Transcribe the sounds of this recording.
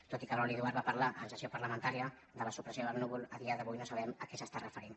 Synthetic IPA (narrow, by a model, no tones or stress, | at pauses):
t̪ot̪ikəβɾɔliðuaɾβapəɾlaʔənsəsjopəɾləmənt̪aɾiə | ðd̪ələsupɾəsioəlnuβulˠəðiəðəβujnosəβɛməkɛsəst̪arəfəɾin